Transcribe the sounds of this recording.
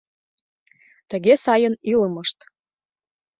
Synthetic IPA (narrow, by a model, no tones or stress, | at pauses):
t̪ə̆ɣesɑjəniləməʃt̪